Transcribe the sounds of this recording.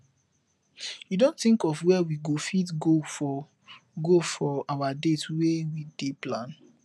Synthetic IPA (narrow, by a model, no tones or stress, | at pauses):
judõntθĩŋkɔvwɛwiɡofitɡofɔ | ɡofɔawadetwewideplãn